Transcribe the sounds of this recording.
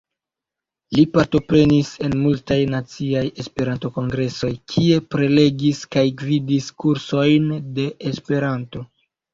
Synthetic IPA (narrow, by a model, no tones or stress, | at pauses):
lipaɾto̞pɾe̞nise̞nmultajnat͡siaje̞spe̞ɾanto̞ko̞ŋɡɾe̞so̞jkʰie̞pɾe̞le̞ɡiskajɡvidiskuɾso̞jnde̞ʔːspe̞ɾanto̞